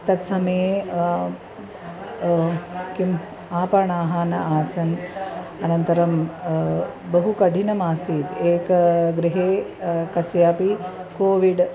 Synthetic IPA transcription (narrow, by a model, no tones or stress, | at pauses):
t̪ɐt̪sɐmeː | kim | aːpaɳaːɦaːnɐʔaːsɐnɐnɐnt̪ɐɾɐm | bɐɦukɐɖʱinɐmaːsiːd̪eːkɡɾiɦeːkɐsjaːpi | koːʋiɖ